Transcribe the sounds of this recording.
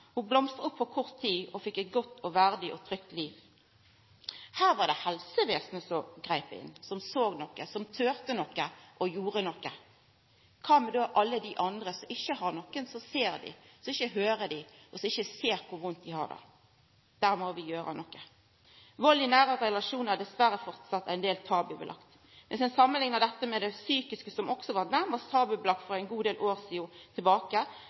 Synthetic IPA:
hʊblɔmst̪əɔpʰːɔkʰɔʁt̪ʰːiːɔfɪkːɛɪt̪̚ɡɔt̪ːɔʋæʁd̪ɪʔɔt̪ʰɾʏkt̪liːʋ | hæːʁʋɑɾd̪ɛhɛlsəʋeːsnəsɔɡʁæɪpɪ̰nːsɔmsoːɡnɔkːəsɔmt̪ʰøːʁt̪ənɔkːəʔɔjuːʁənɔkːə | kʰɑːmɛd̪oːʔɑlːəd̪ɪʔɑnd̪ʁəsɔmʔɪçəhɑɾnɔkːənsɔseːɾd̪ɪ̰sɔɪçəɦøːɾəd̪ɪʔɔsɔmɪçːəseːɾkʰʊɾʋʊnt̪̚d̪ɪhɑ̰ɾd̪ɑ̰ | d̪̥æːɾmɔʋɪjøːɾə̰nɔkːə | ʋɔlɪnæːɾəɾɛlɑʂuːnəd̪ɛsʋæɾəfɔʁt̪sɑt̪ːæɪnd̪eːlt̪ʰɑːbʉbəlʔɑ̰kt̪ | mɛnsɛnsɑmːənlɪŋnɑd̪ɛt̪ːəmɛd̪ɛsyːkɪskəsɔmɔksɔʋɑʁt̪næmɑst̪ʰɑːbʉblɑk̪̚fɔɾæɪnɡuːd̪eːlʔoːɾsiʊt̪ʰɪlbɑːkə

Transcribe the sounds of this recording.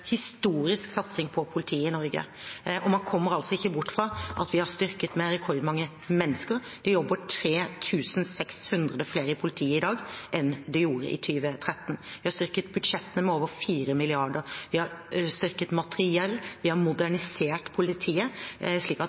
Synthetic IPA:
hɪst̪uːɾɪsksɑt̪sɪŋpʰɔpʰʊlɪt̪ʰiːəɪnɔɾɡə̰ | ʔɔmɑnkʰɔmːəɾɑlsɔɪçːəbʊʈːfɾɑʔɑt̪ʋɪhɑɾst̪ʏɾkət̪mɛɾɛkʰɔɾd̪mɑŋːə | mɛnːəskəɾd̪̥ɛjɔbːəʈʰɾeːt̪ʰʉːsənsɛkshʉnd̪ɾəd̪əfleːɾəpʰʊlɪt̪ʰiːəɪd̪ɑːɡʔɛnd̪ɛjuːɾə̰ʔɪ̰t̪ʰyːʋət̪ʰɾɛt̪ːn̩ʋɪhɑɾst̪ʏɾkət̪̚bʉd̪ʂɛt̪ːənəmɛoːʋəɾfiːɾəmɪlɪɑɖəɾʋɪhɑɾst̪ʏɾkət̪mɑt̪əɾɪɛlːʋɪhɑɾmʊd̪æɳɪseːʈpʰʊlɪt̪ʰiːəʂɭiːkɑt̪

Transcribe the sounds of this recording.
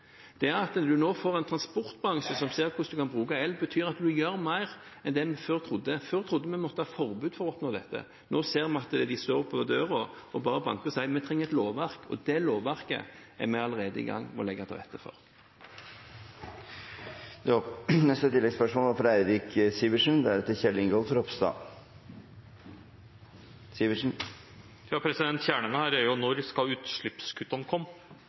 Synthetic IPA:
d̪̥ɛæɾɑt̪d̪ʉnoːfoːʁɛɪnt̪ʰɾɑnspɔʁt̪bɑʁɑŋʃəsɔmseːʁkʰʊsd̪ʉkʰɑnbʁʉːkɑɛlbət̪ʰyːɾɑt̪d̪ʉjøːɾmæɪʁ | ɛnd̪ɛmɛføːɾt̪ʰɾʊd̪ːəføːʁɾt̪ʰɾʊd̪ːəmɛmɔt̪ːəhɑːfɔʁbʉːd̪fɔʁɔɔpnoːd̪ɛt̪ːə̰ | noːseːɾmɛɑt̪d̪ɪst̪oːɾʊpʰːɔʋəd̪øːʁɔɔbɑːɾəbɑ̰ŋkəʁsæɪmɛt̪ʰɾɛŋːəɛt̪loːʋʋæʁkɔ̰d̪ɛloːʋʋæʁkə̰æ̰ʁmɛɑləʁeːd̪əḭɡɑ̰ŋːmɔ̰lɛɡət̪ʰɪʁɛ̰t̪ːəfɔ̰ʁ | d̪nɛst̪ət̪ʰɪlːɛɡspœʂmoːlʋɑɾfɔɾæɪɾɪksiːʋəʂənd̪ɛææɾɛt̪ːəçɛlːɪŋɡɔːlfɔɾɔpst̪ɑ̰ː | siːʋəʂn̩ | jɑːpʰɾɛsɪd̪ɛnt̪çæːɳənəhæːɾæɾjʊnɔɾskɑʉːt̪ʂɭɪpskʰʉt̪ːɑnkʰɔmː

